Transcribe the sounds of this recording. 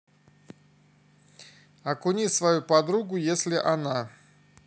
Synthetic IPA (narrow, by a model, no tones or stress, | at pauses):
ɐkʊnʲisvɐjupɐd̪ɾuɡʊjesʲlʲɪʔana